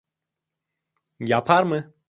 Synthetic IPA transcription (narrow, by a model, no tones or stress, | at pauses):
japʰaɾmə